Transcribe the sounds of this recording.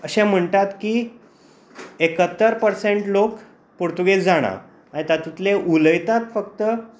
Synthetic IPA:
əɕɛ̃m̤əɳt̪at̪kiː | ekət̪ːəɾpəɾseɳʈlok | poɾt̪uɡesd͡zaɽ̃a̰ | ait̪at̪ut̪leʔuləjt̪at̪fəkt̪ə

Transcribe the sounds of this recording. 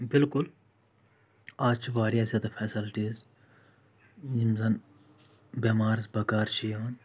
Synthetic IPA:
bɪlkʊl | aːt͡ʃʰiʋaːɾijaːzʲjaːd̪afʰesilʈiːz | jimzɐn | beːmaːɾzbɐkaːɾt͡ʃʰijan

